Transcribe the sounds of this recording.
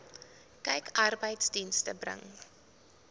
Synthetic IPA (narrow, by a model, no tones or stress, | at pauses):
kɛjkɐrbəjtsdinstəbrə̰ŋ